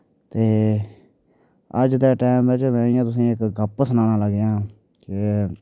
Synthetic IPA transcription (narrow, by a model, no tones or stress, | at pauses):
t̪eː | əd͡ʒd̪eːʈɛːmʋɪt͡ʃmɛ̃ːijãːt̪ʊsĩːɪkɡəpsənãːnãːləɡjãː | kɪ